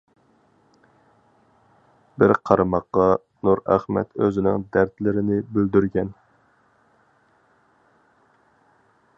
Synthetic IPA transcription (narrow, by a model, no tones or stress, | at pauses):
bɪɾqʰɑɾɨmɑqːɑ | nuɾæ̰χmɛ̰t̪øzɪnɪŋd̪æɾt̪lɪɾɪnɪbøld̪yɾɡʲɛn